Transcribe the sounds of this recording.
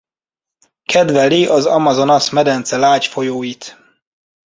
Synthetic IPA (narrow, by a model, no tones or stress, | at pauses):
kʰɛd̪vɛliʔɒzɒmɒzo̞nɒsmɛd̪ɛnt̪sɛlaːcfo̞joːjit̪